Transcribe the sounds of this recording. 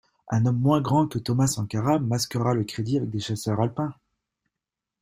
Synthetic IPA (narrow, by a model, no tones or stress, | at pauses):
ɛ̰̃nɔmːwɛ̃ɡʁɑ̃kət̪ɔmasɑ̃kaʁamaskəʁaləkχed̪iavɛk̚d̪eʃasœʁalpɛ̃